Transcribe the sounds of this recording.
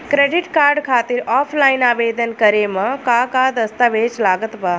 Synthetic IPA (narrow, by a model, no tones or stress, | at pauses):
kɾeːɖiʈkaːɾɖkʰaːt̪iɾɔːpʰlaːɪnaːʋeːd̪ənkəɾemɐ̃kakad̪ɐst̪aʋeːt͡ʃlaːɡət̪baː